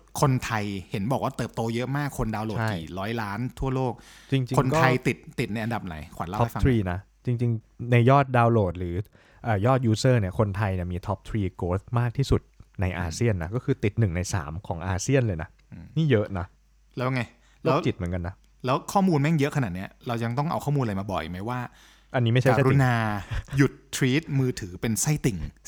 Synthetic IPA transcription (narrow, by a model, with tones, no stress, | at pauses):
kʰo˧nt̪ʰa˧jhe˩˦nbɔː˨˩k̚waː˥˩t̪ɤː˨˩p̚t̪oː˧jɤ˦˥ʔmaː˥˩kʰːo˧ndaː˧wloː˨˩t͡ɕ̪ʰa˥˩ijːɾɔː˦˥jlaː˦˥nt̪ʰu˥˩ɐloː˥˩k̚ | t͡ɕi˧ŋt͡ɕi˧o˧ŋ˧nkt̪ːʰa˧jt̪i˨˩t̪̚ːi˨˩t̪̚na˧jʔa˧nda˨˩p̚na̰˨˩˦jkʰɔ˨˩˦nla˥˩˦pa˧t̪ʰɾiː˧na˦˥ | t͡ɕi˧ŋt͡ɕi˧ŋna˧jːɔː˥˩t̪̚daː˧wloː˨˩t̪̚ɾɯː˩˦ | ʔəː˨˩jɔː˥˩t̪̚juː˧sɤː˥˩ni˥˩ɐkʰo˧nt̪ʰa˧jni˧˩əmiː˧t̪ʰɔ˦˥p̚t̪ʰɾiː˧koː˦˥t̪̚maː˥˩k̚t̪ʰiː˥˩su˨˩t̪̚na˧jʔa̰ː˧si˥˩ənːa˦˥kɔː˥˩kʰɯː˧t̪i˨˩t̪̚nɯ˨˩ŋna˧jsa̰ː˩˦mkʰɔː˩˦ŋʔaː˧si˥˩ənlɤː˧jna˦˥˧ | niː˥˩jɤ˦˥ʔna˦˥ | lɛː˦˥wja˧ŋːa˧j | lɔ˦˥wt͡ɕi˨t̪̚mɯ˩˦nka˧nːa˦˥ | lɛː˦˥wkʰɔː˥˩muː˧nmɛ˥˩ŋjɤ˦˥ʔkʰa˧naː˨˩t̪̚ni˦˥ɐɾa˧wja˧ŋt̪ɔ˥˩ŋʔa̰˧wkʰɔː˥˩muː˧nʔa˧jmaː˧bɔ˨˩jma˦˥jwaː˥˩ | ʔa˧nːi˦ma˥˩t͡ɕa˦˥˩a˥ɾu˩˦˥naː˧ju˨˩t̪ʰːɾiː˦˥t̪̚mɯː˧t̪ʰɯː˩˦pe˧nsa˥˩jt̪i˨˩ŋ